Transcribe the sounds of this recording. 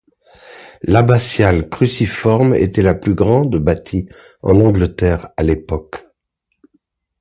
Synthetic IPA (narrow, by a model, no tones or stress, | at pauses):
labasjalkχysifɔʁmḛt̪ɛlaplyɡʁɑ̃d̪bat̪ʰi | ɑ̰̃nɑ̃ɡlət̪ɛʁalepɔk